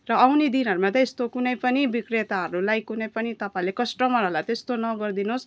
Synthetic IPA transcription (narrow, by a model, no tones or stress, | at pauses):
rʌawnid̪inɦʌɾumat̪ʌest̪okunʌjpʌnibikret̪aɦʌɾulajkunʌjpʌnit̪ʌpaĩlekʌsʈʌmʌɾɦʌlajt̪ʌest̪onʌɡʌrd̪inos